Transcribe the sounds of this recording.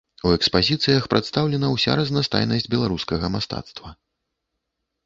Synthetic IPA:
uɛkspazʲit̪sɨjɐxpɾʔɛt̪st̪awlʲɛnɐwsʲa̰ɾɐznast̪a̰jnɐsʲd͡zʲbʲɛlˠaɾuskɐɣɐmast̪a̰t̪st̪vɐ

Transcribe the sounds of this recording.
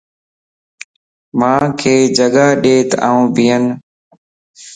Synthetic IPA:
mãːkʰeːd͡ʒəɡaːɗeːt̪a̰ːũːbʱɪjən

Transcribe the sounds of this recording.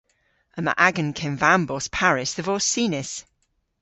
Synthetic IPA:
əmə̰ʔaɡə̃nkʰɛ̃nvambɔspʰaɹɪsðəvɔsiːnɪs

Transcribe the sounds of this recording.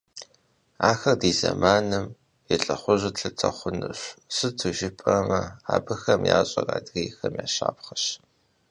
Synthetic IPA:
aːxɐrdiːzɐmaːnɨm | jɛɬʼɐχʷʊʑɪɬɨt͡sʼɐχʷʊnɨɕsɨtʰuʒɪpʼɐmɐaːbɨxɐmjaːɕʼɐra̰ːdɣɐjxɐmjaːɕaːpχɐɕ

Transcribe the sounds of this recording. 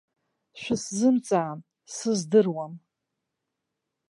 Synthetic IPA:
ʃʷᶣɪszɨmt͡sʼaːm | sɨzdɨrwam

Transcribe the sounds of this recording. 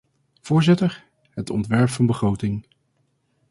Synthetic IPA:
v̥ʊːɹzɪtəɹ | ɦətɔ̰ntʋɛɹpfɑnbəχrowtɪŋ

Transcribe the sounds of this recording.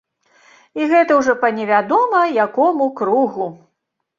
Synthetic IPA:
iɣɛt̪ɐwʐɔpɐnʲɛvʲad̪ɔmɐjakɔmukɾuɣu

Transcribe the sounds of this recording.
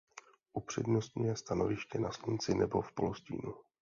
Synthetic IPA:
ʔupr̝̥ɛdnost̪ɲujɛst̪ano̞vɪʃcɛnaslunt͡sɪnɛbo̞fpoloscḭːnu

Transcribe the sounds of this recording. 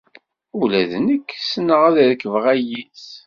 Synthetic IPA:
ulæðnəkːsənːəʁæðɾkːəvʁæjiθ

